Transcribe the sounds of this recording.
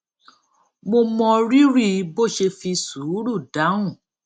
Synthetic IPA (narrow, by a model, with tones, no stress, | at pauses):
mo˧mɔ̃˧ɾi˦ɾi˦˨˧bo˦˨ʃe˧fi˧su˨˦ɾu˦˨da˨˦ũ˦˨